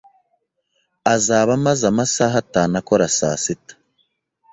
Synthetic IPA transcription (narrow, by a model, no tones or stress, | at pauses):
azaːβamazamasaːɦataːnakoɾasa̰ːsitḁ